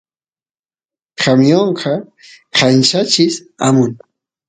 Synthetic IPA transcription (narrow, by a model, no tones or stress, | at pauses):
kʰamjoɴqʰɑ | qʰant͡ʃat͡ʃɪs | amʊn